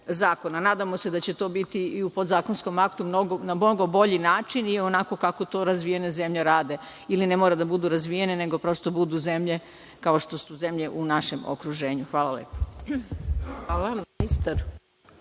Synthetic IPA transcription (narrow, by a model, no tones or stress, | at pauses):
zaːko̞nanaːd̪amo̞se̞d̪at͡ɕe̞t̪o̞bit̪iiupo̞d̪zaːko̞nsko̞makt̪umno̞ɡonamnoɡo̞bo̞ʎinaːt͡ʃinio̞nako̞kako̞t̪o̞ːɾazʋije̞neze̞mʎeɾaːd̪e̞ | ilinemoːɾed̪abud̪uɾazʋije̞nene̞ɡo̞pɾo̞ːst̪obud̪uze̞mʎe̞ | kao̞ʃt̪o̞suze̞mʎe̞ʔunaʃe̞mo̰kɾuʒe̞ːɲuxʋaːlˠalḛːpo̥ | alamist̪aɾ